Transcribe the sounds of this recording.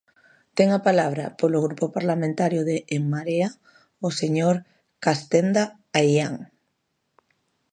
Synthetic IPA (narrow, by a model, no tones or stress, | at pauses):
t̪ɛŋapalaβ̞ɾa̰polʊɣɾupopaɾlamẽnt̪aɾjʊðeʔːŋmaɾea | oseɲoɾ | kast̪end̪a | ajaŋ